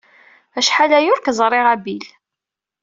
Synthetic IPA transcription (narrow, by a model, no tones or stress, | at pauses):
æʃħalæjʊɾkzˤɾˤeʁæbil